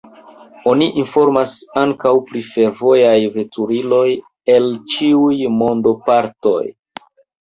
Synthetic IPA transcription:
o̞niʔinfo̞ɾmasaŋkawpɾife̞ɾvo̞jajve̞tuɾilo̞j | e̞lt͡ʃiujmo̞ndo̞paɾto̞̰j

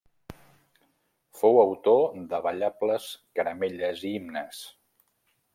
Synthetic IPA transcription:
fowəwt̪od̪əβəʎapləskəɾəmeʎəziimnəs

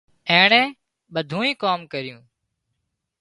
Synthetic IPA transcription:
ẽːɳɛ̃ː | ɓəd̪ʱũːĩːkaːmkəɾɪjũː

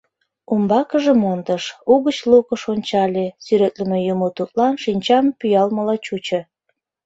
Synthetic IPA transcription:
umbɑkəʒĕmond̪əʃuɣət͡ɕlukəʃonʲt͡ɕɑlʲesyɾet̪ləmejumot̪ut̪̚lɑnʃinʲt͡ɕɑmpyjɑlməlɑt͡ɕut͡ɕə̆

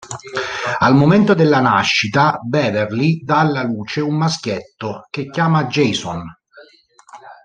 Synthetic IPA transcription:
almoment̪od̪elːanaʃːit̪abɛːverlid̪aːlːaluːt͡ʃeumːaskjet̪ːok̟ekːjaːmad͡ʒɛjsɔn

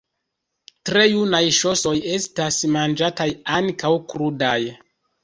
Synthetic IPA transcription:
tɾe̞junajʃo̞so̞je̞stasmand͡ʒatajaŋkawkɾudaj

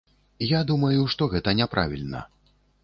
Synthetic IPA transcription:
jad̪umɐjuʂt̪ɔɣɛt̪ɐnʲɛpɾʔa̰vʲḭlʲnɐ̰

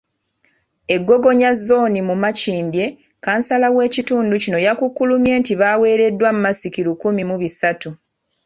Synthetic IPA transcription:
e̞ɡːo̞ɡo̞ɲazːo̞ːnimumaciːmbje̞ | kaːnsalawe̞ːcituːnducino̞jakukːulumje̞ːntiβawe̞ːɾe̞dːwamumasikilukumimuβisatu

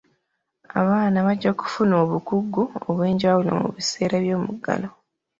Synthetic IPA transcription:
a̰βaːnaβaɟːaku̥funo̞ːβukuɡːuoβwe̞ːɲɟawulo̰mṵβise̞ːɾaβjo̞ːmuɡːa̰lo̞

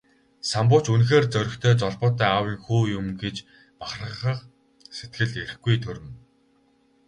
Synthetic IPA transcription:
sampʊːt͡ɕunxeːrt͡sœɾʲɪ̆xt̪ʰœːt͡sɔɮpɔːt̪œːawiːŋxuːjʊmɡet͡ɕ | paχrə̆χə̆q | set̪ɡɘ̆ɮt̪er̆xɡujt̪ʰɵɾɘ̆m

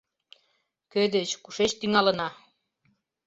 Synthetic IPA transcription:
kød̪et͡ɕkuʃet͡ɕt̪yŋɑlənɑ

